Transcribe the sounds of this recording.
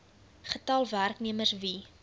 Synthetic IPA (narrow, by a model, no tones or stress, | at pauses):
χətɐlˠværkniəmərsvi